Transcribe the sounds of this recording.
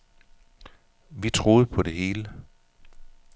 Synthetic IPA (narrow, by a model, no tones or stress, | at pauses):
ʋit͡sʰʁo̝ːð̞̩ˠpʰɒ̽ɾe̝ɦe̝ːlə